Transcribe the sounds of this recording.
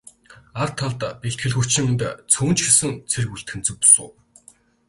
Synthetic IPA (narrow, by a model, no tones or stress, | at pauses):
art̪ʰːaɮt̪apeɬt̪xɘ̆ɮxu̥t͡ɕʰɪ̆ŋɘnt̪t͡sʰuːnt͡ɕxesɘ̆ŋt͡sʰerɘkuɬt̪xɘ̆nt͡sɘ̆k̚pʊ̥sʊ̰ː